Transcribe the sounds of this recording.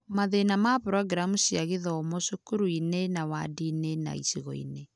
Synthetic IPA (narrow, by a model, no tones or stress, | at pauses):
maðenamapɾɔɡɾamusiaɣeðɔmɔsukuɾuinenawadinena̰ḭsiɣɔ̰ḭne